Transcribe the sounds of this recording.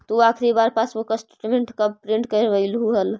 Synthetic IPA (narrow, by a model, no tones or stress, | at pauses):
t̪uakʰɾibaɾpasmokəsʈe̥ʈmeɳʈkəbpɾĩɳʈkəɾbəjlɦuɦəl